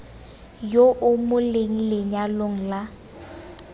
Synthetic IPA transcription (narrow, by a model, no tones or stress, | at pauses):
joʔʊmʊleŋ̩lɪɲaloŋ̩la